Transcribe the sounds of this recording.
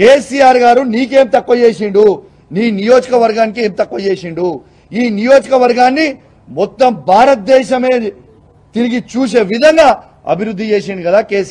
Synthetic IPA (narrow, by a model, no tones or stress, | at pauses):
keːsijaːɾɡaːɾuniːk̬e̞ːmt̪ɐkːɐt͡ʃe̞ːʃiɳɖu | niːnijo̞ːd͡ʒɐkɐʋɐɾɡaːnik̬ieːmt̪ɐkːɐt͡ʃe̞ːʃiɳɖu | iːnijo̞ːd͡ʒɐkɐʋɐɾɡaːnːi | mɔt̪ːɐmbʱaːɾɐt̪̚d̪ɛːʃɐme̞ː | t̪iɾiɡit͡ʃuːʃe̞ːʋid̪ʱɐŋɡaː | ɐ̰bʱiɾud̪ʱːit͡ʃe̞ːʃiɳɖikɐd̪aːkeːs